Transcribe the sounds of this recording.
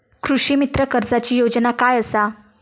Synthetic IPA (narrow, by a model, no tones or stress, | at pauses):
kʰɾuʂimit̪ɾəkəɾd͡zat͡ɕiːjod͡ʑnakajəsa